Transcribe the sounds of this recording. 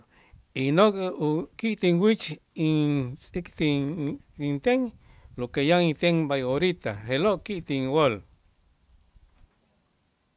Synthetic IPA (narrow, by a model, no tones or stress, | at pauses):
inokʼukiʔt̪iŋwit͡ʃit͡sʼikt̪i | int̪eŋ | lokejait̪eŋbajoɾit̪a̰heloʔkiʔt̪iŋwol